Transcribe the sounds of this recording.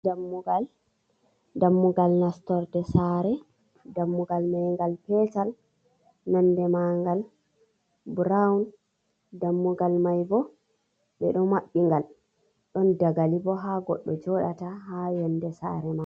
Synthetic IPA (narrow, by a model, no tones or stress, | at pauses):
damːuɡal | damːuɡalnastɔɾdɛsaɾɛ | damːuɡalmajŋɡalpɛtal | nandɛmaŋɡal | bɾaun | damːuɡalmajbɔ | ɓɛɗɔmaɓːiŋɡal | ɗɔndaɡalibɔɦaɡɔ̰ɗːɔd͡ʒɔɗataɦajɔndɛsa̰ɾɛma